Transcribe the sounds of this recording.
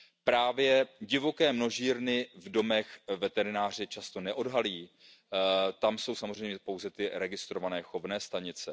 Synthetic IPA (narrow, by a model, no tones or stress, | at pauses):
pɾaːvjɛɟɪvo̞kɛːmno̞ʒiːɾnɪvdo̞mɛxvɛt̪ɛɾɪnaːr̝ɪt͡ʃast̪o̞nɛʔo̞dɦaliː | t̪amso̞wsamozrɛjmɲɛpo̞wzɛt̪ɪɾɛɡɪst̪ɾo̞vanɛːxo̞vnɛːst̪aɲɪt͡sɛ